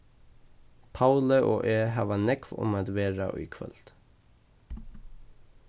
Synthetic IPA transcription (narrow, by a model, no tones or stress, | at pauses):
pʰaʊləʔo̰ːʔeːɦɑːʋanɛkʋʊ̰maːd̪ʋeːɾa̰ʔy̰ːkʰʋœ̰lt̪